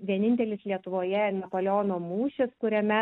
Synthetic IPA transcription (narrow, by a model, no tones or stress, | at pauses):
ʋʲiɛnʲɪnʲt̪ʲɛlʲɪslʲiɛt̪ʊʋoːjɛɪnɐpoːlʲoːnoːmuːʃʲɪskʊɾʲɛmʲɛ